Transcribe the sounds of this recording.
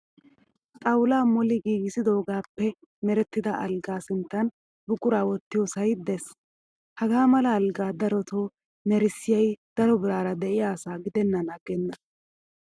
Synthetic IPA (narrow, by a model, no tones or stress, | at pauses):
t̪ʼɐwlaːmɔlɪɡiːɡɪsɪd̪o̞ːɡaːpːɛ | mɛɾɛt̪ːɪd̪ɐʔɐlɡaːsɪnt̪ːɐn | bʊkʼʊɾaːwɔt̪ːɪjɔsɐjd̪ɛs | hɐɡaːmɐlɐːlɡaːd̪ɐɾɔt̪ʰoː | nɛɾɪsɪjɐjd̪̥ɐɾɔbɪɾaːɾɐd̪ɛʔɪjaːsaːɡɪd̪ɛnːɐnɐɡɛnːɐ